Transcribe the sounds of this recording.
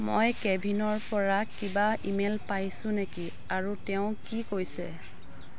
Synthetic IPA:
mojkɛbʱinɔɹpɔɹakibaimelpajsʊ̃neki | aɹutɛʊ̃kikojsɛ

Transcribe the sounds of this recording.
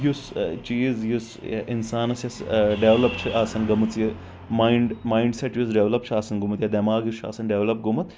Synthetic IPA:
just͡ʃiːzjusinsaːnɐsjɐsɖeʋlɐp̚t͡ʃʰɨʔaːsɐnɡɐmɨt͡sji | maːiɳɖmaːiɳɖseʈjusɖeʋlɐp̚t͡ʃʰɨaːsɐnɡumɨt̪jɐd̪ɐmaːɡjut͡ʃʰa̰ːsɐnɖeʋlɐp̚ɡumɐt̪

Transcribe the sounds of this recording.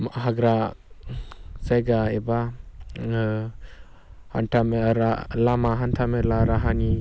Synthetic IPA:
mɦaɡɾa | sajɡaeba | ha̰ntʰameɾalamaɦantʰamelaɾaɦani

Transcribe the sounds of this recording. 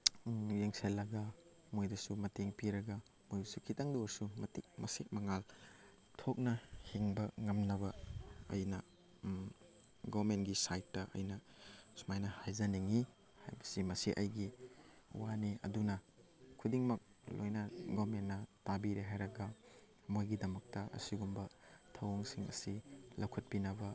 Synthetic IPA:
jeŋselːɐɡɐ | mojdɐsumɐteŋpiɾɐɡɐ | mojdɐsukʰitaŋdowɐɾsumɐtik̚mɐsek̚mɐŋal | tʰok̚nɐhiŋbɐŋɐmnɐbɐɐ̰jnɐ | ɡɔɾmentɡisajtːɐʔɐ̰jnɐ | sumajnɐhajzɐniŋi | ha̰jbɐsimɐsiʔɐ̰jɡḭ | waniɐ̰dunɐ | kʰudiŋmɐk̚ | lo̰jnɐɡomenːɐtabiɾeɦajɾɐɡɐ | mojɡidɐmɐk̚tɐʔɐ̰siɡumbɐtʰɐwoŋsiŋɐ̰silɐwkʰɐt̚pinɐbɐ

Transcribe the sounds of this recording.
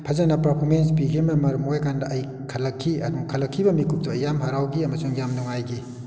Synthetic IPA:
pʰɐzɐnɐpɐɾpʰomens̬piɡimɐmɐɾmojkandɐʔɐj | kʰɐlɐkʰːiɐ̰duŋkʰɐlɐkʰːibɐmikup̚tɐːjːamɦaɾawɡiɐmɐsuŋjamnuŋajɡi

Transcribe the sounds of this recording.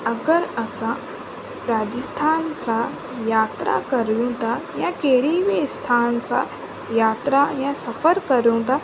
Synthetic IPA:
ɐɡəɾɐsã | ɾaːd͡ʑəst̪ʰaːnsã | jaːt̪ɾʔa̰kɐɾjũt̪ʰajãkeɦɪɽibiɪst̪ʰaːnsã̰ | jaːt̪ɾajãsɐfəɾkɐɾjũt̪ʰa

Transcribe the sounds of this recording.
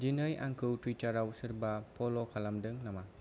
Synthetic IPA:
d͡ʒinɯja̰ŋkʰɯwtɾit͡ʃaɾawsɯɾbapʰɔlokʰalamdɯŋnama

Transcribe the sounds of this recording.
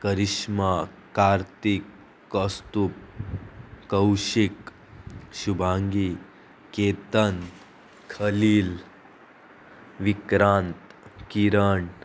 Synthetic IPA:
kəɾiʃma | kaːɾt̪ikː | əst̪up̚ | kɐwʃik | ʃubʱaːŋɡi | keːt̪ən | kʰɐliːl | ʋikɾaːnt̪kiɾəɳʈ

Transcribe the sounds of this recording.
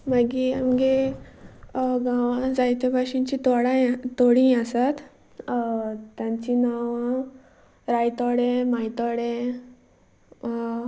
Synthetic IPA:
maɡiamɡe | ɡãʋãd͡zajt̪ebaɕiɲt͡ɕit̪ɔɽat̪oɽĩasat̪ | t̪jãɲt͡ɕinaʋã | ɾajt̪ɔɽemajt̪ɔɽe

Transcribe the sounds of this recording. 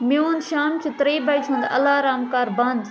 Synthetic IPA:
mɪoːnʃaːmt͡ʃut̪ɐɾiːbɐjt͡ʃʰɐ̃nd̪ɐ̰laːɾaːmkaːɾbɐ̃nd̪

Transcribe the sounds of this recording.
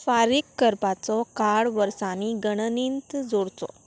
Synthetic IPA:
faɾikːəɾpat͡sɔkaɽʋəɾsaniɡəɳ̃ənint̪d͡zoɽt͡sɔ̰

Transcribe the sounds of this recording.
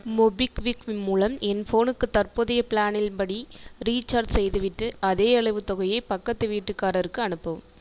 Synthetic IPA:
mɔbɪkʋɪkɪnmuːlɐmɛnfoːnɯkːɯt̪ɐrpɔðɐjɐpɪlaːnɪlpɐɽiɾiːt͡ʃːɐɾɖsɛjðɯʋɪʈːɯʔɐðeːɐɭɐɪʋɯt̪ɔɣɐjɐɪpɐkːɐt̪ːɐʋiːʈːɯkːaːɾɐɾɯkːɯɐnɯpːɯʋm

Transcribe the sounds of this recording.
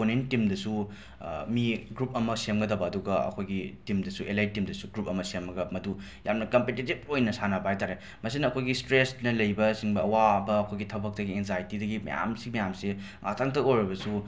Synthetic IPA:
onentːimdɐsu | miɡɾup̚ɐmɐsemɡɐdɐbɐːduɡɐɐ̰kʰojɡitimdɐsuʔelajt̚tːimdɐsuɡɾup̚ɐmɐsemːɐɡɐmɐdu | jamnɐkɐmpetitib̚ojnɐsanɐpajtaɾe | mɐsinɐɐkʰojɡistɾesnɐlɐjbɐsiŋbɐɐwabɐːkʰojɡitʰɐbɐk̚dɐɡienzajtidɐɡimɐ̰ja̰msiɡimɐjamse | ŋʔa̰tʰaŋtʰɐkojɾibɐsu

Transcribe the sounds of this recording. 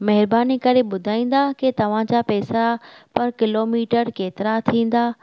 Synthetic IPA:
mɛɦɪɾbaːnikɐɾeɓʊd̪ʱaːĩːnd̪̆aket̪ɐʋ̤ãd͡ʑapɛːsapɐɾkɪloːmiːʈəɾkeːt̪ɪɾat̪ʰĩːn̆d̪aː

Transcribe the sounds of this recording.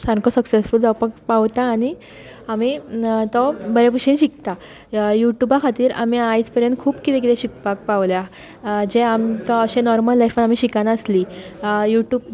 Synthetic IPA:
sãɾkosəksesfuld͡zapəkpaʋt̪aːñi | amiːt̪ɔbəɾepuɕĩːnɕik̚t̪a | juʈjubakʰat̪iːɾa̰miajspəɾenkʰuːpkit̪ɛ̃k̬it̪ẽɕik̚pak̚paʋlja | d͡ʑeamkəɕenɔɾməlːajfanam̤iːɕikanaəslijuʈjuːb̚

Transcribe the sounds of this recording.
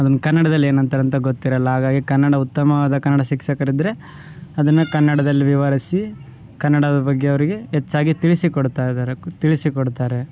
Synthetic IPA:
ɐd̪ɐnːɐkɐnːɐɽɐd̪ɐlːe̞ːnɐnt̪ɐɾɐnt̪ɐɡot̪ːiɾɐlːɐɦaːɡaːɡikɐnːɐɽɐut̪ːɐmɐʋaːd̪ɐkɐnːɐɽɐʃikʃɐkɐɾid̪ɾe̞ | ɐd̪ɐnːukɐnːɐɽɐd̪ɐlːiʋiʋɐɾisi | kɐnːɐɽɐd̪ɐbɐɡːeɐʋɐɾiɡe̞ɦet͡ʃːaːɡit̪iɭisikoɽt̪aːjid̪aːɾet̪iɭisikoɽt̪aːɾe̞

